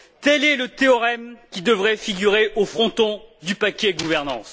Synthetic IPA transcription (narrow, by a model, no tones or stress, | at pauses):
t̪ɛlɛlət̪eɔʁɛmkʲid̪əvʁɛfiɡʲyʁeʔofχɔ̃t̪ɔ̃d̪ypakʲɛɡuvɛʁnɑ̰̃s